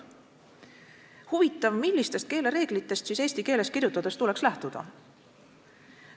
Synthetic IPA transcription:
huvit̪ːˑɑvmilʲːist̪e̞st̪̚ke̞ːle̞ɾe̞ːɡ̥lit̪ːˑe̞st̪siːse̞ːst̪ike̞ːle̞skirjut̪ːˑɑd̪̥est̪ule̞kslæht̪ud̪̥ɑ̰

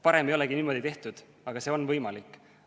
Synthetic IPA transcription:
pɑɾemejolɛɡ̥iniːmo̞d̪it̪e̞ht̪ud̪̥ | ɑɡ̥ɑse̞ːo̞nvɤjmɑlikːˑ

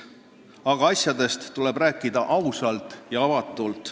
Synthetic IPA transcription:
ɑɡ̥ɑɑsjɑd̪̥e̞st̪ːulɛbræːkːid̪̥ɑʔɑwsɑlt̪ˑjɑɑvɑt̪ːˑult̪ˑ

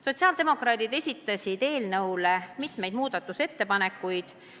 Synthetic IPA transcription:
so̞t̪ʲsiɑːld̪̥e̞mo̞krɑːd̪̥id̪e̞sʲit̪ːˑɑsʲid̪e̞ːlnɤwle̞mit̪me̞jd̪muːd̪̥ɑt̪ːˑuse̞t̪ːe̞pɑne̞kːˑujd̪̥

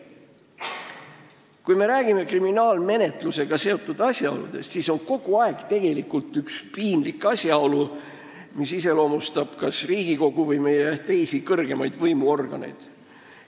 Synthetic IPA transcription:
kujme̞ɾæːɡ̥ime̞kriminɑːlme̞ne̞t̪luse̞ɡ̥ɑse̞o̞t̪ːˑud̪̥ɑsʲjɑo̞̰lṵd̪̥e̞̰st̪siso̞nko̞ɡ̥uɑeɡ̥t̪e̞ɡ̥e̞likˑult̪ˑykspiːnlikːˑɑsʲjɑo̞lu | misise̞lo̞ːmust̪ɑb̥kɑsriːɡ̥iko̞ɡ̥uvɯjme̞jet̪e̞jsikɤrɡ̥e̞mɑjd̪̥vɤjmuo̞rɡ̥ɑ̰nḛjd̪̥

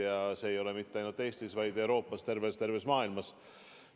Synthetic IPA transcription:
jɑseːjo̞le̞mit̪ːeɑjnult̪ːˑe̞ːst̪isvɑjd̪̥e̞wɾo̞ːpːˑɑst̪e̞rvest̪e̞ɾvesmɑːilmɑs

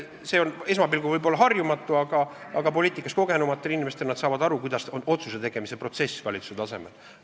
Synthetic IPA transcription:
se̞one̞s̬mɑbilkuivɯjbo̞lːɑɦɑrjumɑt̪ːˑuɑɡ̥ɑɑɡ̥ɑp̬o̞liːt̪ːˑikːˑɑsko̞ɡ̥e̞numɑt̪ːˑelinimest̪e̞lnɑd̪sɑːvɑd̪ɑɾukujd̪ɑsono̞t̪suse̞t̪e̞ɡ̥e̞mise̞pro̞t̪se̞svɑlit̪su̥set̪ɑse̞mel

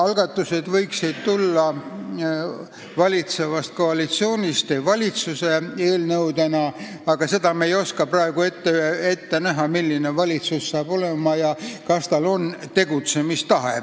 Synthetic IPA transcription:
ɑlɡ̥ɑt̪ːˑuse̞d̪̥vɤjksid̪t̪ulːɑ | vɑlʲit̪se̞vɑst̪̚ko̞ɑlit̪sio̞ːnʲist̪evɑlʲit̪suse̞e̞ːlnɤwd̪e̞nɑ | ɑɡ̥ɑse̞d̪̥ɑmejo̞skɑprɑeɡ̥ue̞t̪ːeet̪ːe̞næɦɑmilʲːine̞vɑlʲit̪susːɑːb̥o̞le̞mɑjɑkɑst̪ɑlo̞nt̪e̞ɡut̪se̞mist̪ɑɦḛ

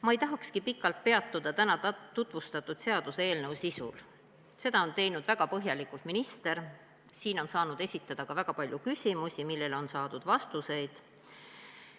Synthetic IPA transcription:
mɑejt̪ɑɦɑkskipikːˑɑlt̪̚pe̞ɑt̪ːˑud̪̥ɑt̪ænɑt̪ut̪ˑvust̪ɑt̪ːˑud̪̥se̞ɑd̪̥useeːlnɤwsisṵl | se̞d̪̥ɑo̞nt̪e̞jnud̪̥væɡ̥ɑpɤɦjɑlikˑult̪minist̪e̞ɾ | siːno̞nsɑːnud̪̥e̞sʲit̪ːˑɑd̪̥ɑkɑvæɡ̥ɑpɑlʲjukysʲimusʲimilːe̞lo̞nsɑːd̪̥ud̪̥vɑst̪use̞jd̪̥

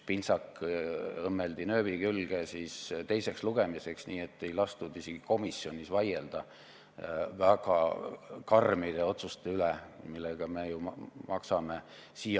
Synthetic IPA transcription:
pinsɑk | ɤmːeld̪inø̞ːbikylɡ̥esist̪e̞jse̞ksluɡ̥e̞mise̞ksniːe̞t̪ːe̞jlɑst̪ud̪iseɡ̥i̥ko̞misːjo̞nʲisvɑjeld̪̥ɑ | væɡ̥ɑ̰kɑrmid̪̥e̞o̞t̪sust̪e̞ylemilːeɡ̥ɑmejumɑksɑme̞siːɑ

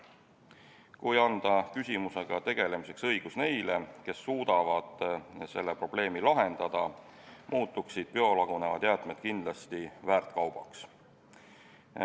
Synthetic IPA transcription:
kujɑnd̪̥ɑkysʲimuse̞ɡ̥ɑt̪e̞ɡ̥e̞le̞mise̞ksɤ̞jɡ̥usne̞jle̞ke̞sːuːd̪̥ɑvɑd̪̥se̞lːepro̞b̥le̞ːmilɑɦe̞nd̪̥ɑd̪̥ɑ | mʔuːt̪ːˑuksid̪̥̚peo̞lɑɡ̥une̞vɑ̰d̪jæːt̪ˑmed̪̥̚kind̪lɑst̪ivæːrt̪kɑwb̥ɑks

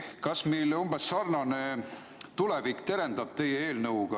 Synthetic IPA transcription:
kɑsmejlumb̥esːɑrnɑne | t̪ule̞vikːt̪e̞ɾe̞nd̪ɑb̥̚t̪e̞jeeːlnɤwɡ̥ɑ

